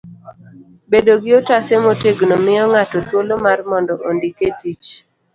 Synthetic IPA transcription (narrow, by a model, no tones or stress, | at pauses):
bedoɡɪotasemoteɡnomɪɔŋatɔtwolomarmɔndɔʔondiketit͡ʃ